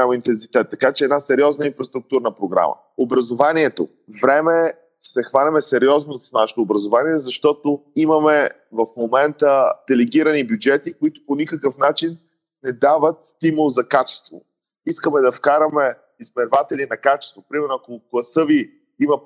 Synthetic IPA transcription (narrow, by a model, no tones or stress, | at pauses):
amint̪ɛns̬it̪ɛt̪ːɐkat͡ʃɛːd̪nasɛɾiɔznəinfɾɐst̪ɾʊk̚t̪uɾnəpɾoɡɾa̰mə̰ | obɾɐzovaniɛt̪o | vɾɛmɛ | sɛxvalʲɐmɛsɛɾiɔznosɐ̥snaʃɛ̥t̪oːbɾɐzovaniɛzɐʃt̪ɔt̪oimɐmɛ | vɐfmomɛnt̪əd̪̥ɛlɛɡiɾənibjud͡ʒɛt̪ikoit̪ʊ̥ponikəkəfnat͡ʃinː | ɛd̪avət̪st̪imulˠzɐkat͡ʃɛ̥st̪vo̰ | iskəmɛd̪ɐfkaɾɐmɛ | izmɛɾvat̪ɛlinɐkat͡ʃɛ̥st̪vopɾimɛɾnʊakoklˠɐsɤvi | imɐ